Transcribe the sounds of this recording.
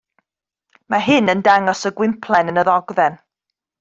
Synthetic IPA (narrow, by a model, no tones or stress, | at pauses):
maɦɪnəndaŋɔsəɡwɪmpʰlˠɛnənəðɔɡðɛn